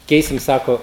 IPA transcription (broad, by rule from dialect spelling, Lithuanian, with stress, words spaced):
ˈkʲɛɪsʲɪm ˈsɑːkoː